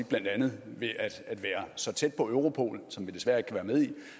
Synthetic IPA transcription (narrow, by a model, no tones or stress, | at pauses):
ɡ̥̚b̥lænd̥ænð̞̩ˠʋe̝ʔæd̥æd̥ʋæːɐsɒ̽t͡sʰed̥̚pʰɒ̽øʊʁo̝pʰo̝̰ːl̩sɒ̽mʋid̥e̝sʋæɐe̝ɡ̥̚kʰæʋæːɐmeð̞ˠi